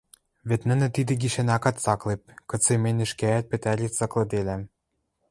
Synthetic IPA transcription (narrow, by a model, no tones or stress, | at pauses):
βĕt̪nɘ̆nɘ̆t̪id̪ɘ̆ɡiʃænɑkɑt̪sɑklep̚kɤ̆t͡semenʲɘ̆ʃkææt̪̚pɘ̆t̪æɾʲit̪sɑklɤ̆d̪elæm